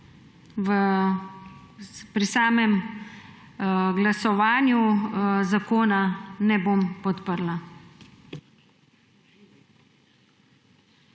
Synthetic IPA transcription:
ʋə | pɾisaːmɛm | ɡlasɔʋaːnjuzakoːnanɛboːmpɔt̪pəɾla

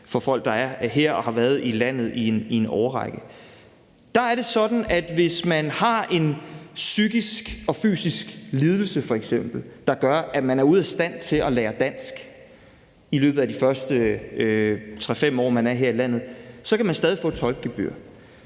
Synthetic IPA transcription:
fɒ̽fɒ̽l̰ɡ̥̚d̥ɑ̈æɐɦeɐ̰ɒ̽hɑ̈ʋæːɐð̞̩ˠilæn̰ð̩ˠienie̝nɒʊɐʁɑɡ̥ə | d̥ɑ̈æɐɾ̥e̝sɒ̽d̥n̩æd̥ʋe̝smænhɑ̈e̝nsyɡ̥isɡ̥ɒ̽fy̰ːsisɡ̥liːð̞ˠl̩səfɒ̽eɡ̥sem̰b̥l̩d̥ɑ̈ɡ̥ɶɐʔæ̥mænæɐuð̰ˠæsd̥æn̰t͡sʰe̝lʔɒ̽leːɐd̥æn̰sɡ̥ | ilø̰ːb̥ð̩ˠæd̥ifɶɐsd̥ə | t͡sʰʁɛfem̰ɒ̰ːmænæɐɦe̝ɐ̰ilæn̰ð̞̩ˠsɒ̽kʰæmænsd̥ɛːðˠifɔ̰̥ːt͡sʰɒ̽lɡ̥̚ɡ̥eb̥y̰ɐ̰

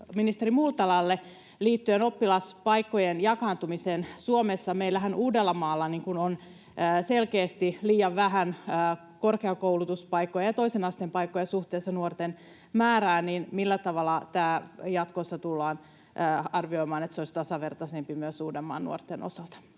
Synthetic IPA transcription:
minist̪erimult̪ɑlɑlːe | liːt̪ːyeno̞pːilɑspɑikːojenjɑkɑːnt̪umiseːnsuomesːɑmeilːæɦænʔuːdelːɑmɑːlːɑniŋkunonː | selkeːst̪iliːjɑʋʋæɦænəː | korkeɑkoulut̪uspɑikːojɑjɑt̪o̞isenɑst̪empɑikːojɑsuht̪eːsːɑnuort̪en | mæːɾæːninmilːæt̪ɑʋɑlːɑt̪æːjɑt̪kosːɑt̪ulːɑːnː | ɑrʋio̞imɑːnet̪seoisʲt̪ɑsɑʋert̪ɑsempimyøsuːdemːɑ̰ːnnṵo̰rt̪ːenʔo̰sɑlt̪ɑ̥

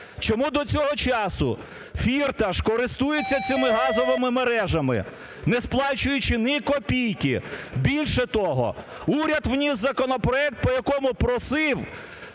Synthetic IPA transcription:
t͡ʃɔmud̪ɔt͡sʲɔɦɔt͡ʃɑsʊ̰ | fʲirt̪ɐʃkɔɾɪst̪ujet͡sʲːɐt͡sʲɪmɪɦɑzɔʋɪmɪmeɾɛʒɐmɪ̰ | nɛsplˠɑt͡ʃʊjʊt͡ʃɪnɪkɔpʲijkɪbʲilʲʃɛt̪ɔɦɔ̰ | uɾʲɐd̪wnʲizzɐkɔnɔpɾɔɛk̚t̪̚pɔjɐkɔmʊpɾɔsɪw

